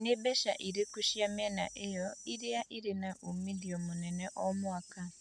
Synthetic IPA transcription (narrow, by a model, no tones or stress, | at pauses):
nebɛʃa̰ʔiɾekuʃjamɛna̰ʔejɔiɾeaʔiɾenaʔomidiɔmonɛnɛʔɔmwaka